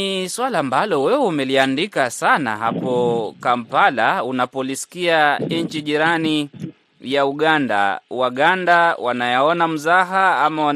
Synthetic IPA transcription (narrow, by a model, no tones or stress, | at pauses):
iswalaːmbalɔwɛwɛumɛliandikasana̰ɦapɔkampalaunapɔliskiaɲ̩t͡ʃiʄiɾani | jauɠanda̰waɠandawanajaɔnam̩zaɦaamawa